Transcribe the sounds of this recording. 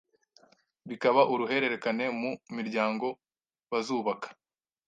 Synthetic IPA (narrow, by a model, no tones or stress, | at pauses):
βikaβaʔuɾuɦe̞ɾe̞ɾe̞kane̞mumiɾɟaːŋɡo̞ | βazuːβakḁ